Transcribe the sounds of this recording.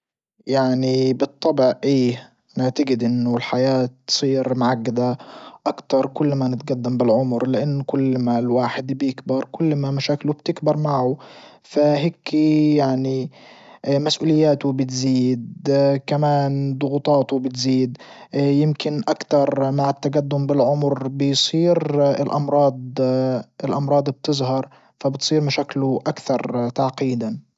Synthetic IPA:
jaʕnibɨt̪ˤːɑbɪʕʔeː | naʕt̪aɡɪd̪ʔɪnːʊlħajaːt̪ːsˤiːɾmʊʕaɡːad̪aʔakt̪ɑɾˤkʊlːmanɪt̪̚ɡad̪ːambɪlʕʊmɾlɪʔɪnːkʊlːmalwaːħɪd̪bjɪkbɑɾˤkʊlːmamaʃaːklubt̪ɪkbɪɾˤmaʕʊ | faɦeːkjaʕni | masʔuːlɪjːaːt̪ʊbɪt̪ziːd̪kamaːnd̪ˤʊɣut̪ˤɑːt̪ʊbɪt̪ziːd̪jɪmkɪnʔakt̪ɑɾˤmaʕɪt̪ːaɡad̪ːʊmbɪlʕʊmɾbɪjsˤiːɾɪlʔɑmɾˤɑːd̪ˤɪlʔɑmɾˤɑːd̪ˤb̚t̪ɪzˤhɑɾˤ | fabɪt̪sˤiːɾmaʃaːklʊʔakθɑɾˤt̪aʕqiːd̪an

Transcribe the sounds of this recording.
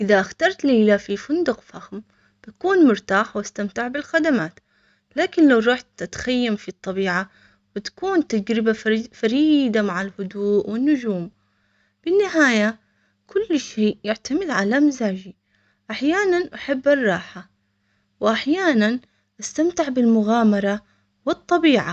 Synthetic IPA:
ʔɪðaʔaxt̪ɑɾˤt̪leːlafifʊnd̪ʊqfaxm | b̥akuːnmʊɾt̪aːħwʔast̪amt̪ɪʕbɪlxad̪amaːt̪ | laːkɪnlawɾˤɑːħt̪ʔat̪xajːamfit̪ˤːɑbiːʕa | bɪt̪ḁkuːnt̪ad͡ʒɾɪbafaɾiːd̪amaʕɪlhʊd̪uːʔwɪnːʊd͡ʒuːm | b̥ɪnːɪɦaːja | kʰʊlːʃeːʔjɪʕt̪amɪd̪ʕalamɪzaːd͡ʒi | ʔaħjaːnanʔaħabːɪrˤːɑːħa | wʔaħjaːnan | ʔast̪amt̪ɪʕbɪlmʊɣaːmɑɾˤɑ | wɨt̪ˤːɑbiːʕa̰

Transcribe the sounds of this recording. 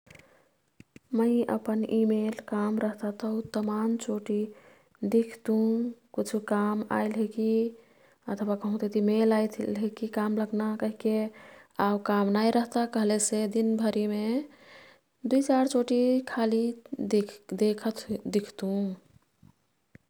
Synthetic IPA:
məɪə̰pənimelkamɾəɦt̪at̪əut̪əmant͡ʃoʈi | d̪ikʰt̪ũkut͡ʃʰukama̰jlɦeki | ət̪ʰwakəɦũt̪et̪imelajt̪ʰlɦekikamləɡnakəɦikeaukamnajɾəɦt̪akəɦlesed̪inbʱəɾime | d̪uit͡ʃaɾt͡ʃoʈikʰali | d̪ekʰət̪d̪ikʰt̪ũ

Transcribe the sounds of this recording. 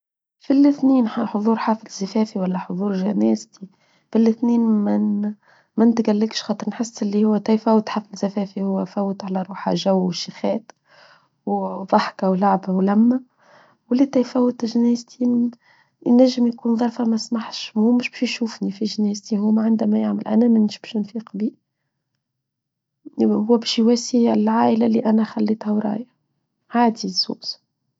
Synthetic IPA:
filɪθniːnaħoðˤuːɾħaːfɪlzafɛːfiwælːæħoðˤuːɾʒænɛːzt̪i | filːɪθniːnmæ | mænt̪ɡælːəkʃxɑːt̪ˤəɾˤnħɪsːɪlːihʊwːæt̪æjfæwt̪ħaːflzæfɛːfihʊwːæfæwːət̪ʕalæɾˤuːħa̰ʒæwʃixɛːt̪ | wð̥ˤɑħkawlaʕbawlæmːæ | wælit̪æjfæwːət̪ʒnæːzt̪ʰi | næʒːəmjkuːnðˤɑɾˤfɑmæsmaħʃmumʊʃbɛʃʃuːfnifiʒnæːzt̪ihuːmʕɪnd̪æmæjaʕməlʔæ̰næmɪnɪʃbæʃɪnfiːqbi | hʊwːæbɛːʃjwæːsilʕaːʔəlaliʔænæxælːiːt̪hæwɾˤɑ̰ːja | ʕaːd̪izṵːʔs

